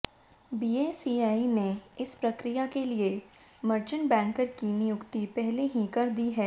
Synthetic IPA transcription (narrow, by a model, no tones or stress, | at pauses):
biːeːsiːaːineɪspɾɐkɾijakelie | məɾt͡ʃənbɛ̃ːŋkəɾkinɪjʊkt̪ipɛɦleɦikɐɾd̪iɦɛː